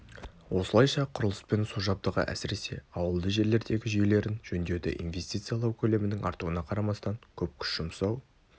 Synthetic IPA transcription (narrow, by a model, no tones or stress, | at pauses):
wo̞səlˠɑjʃɑqʰʊɾəlˠəspe̞nsuʒɑb̚d̪əʁə̰ʔæ̰sɪɾe̞se̞ɑwəlˠd̪əʒe̞ɾle̞ɾd̪e̞ɡʲɪʒʏjle̞ɾɪnʒ̥ɵnd̪e̞d̪ɪ̰ʔḭnve̞st̪ijt̪sɨjalˠɑwkʲʰɵle̞mɪnɪŋɑ̰ɾt̪uwənɑqʰɑɾɑmɑst̪ɑŋkʲʰɵp̚kʲʰʏ̥ʃʒ̥ʊmsɑw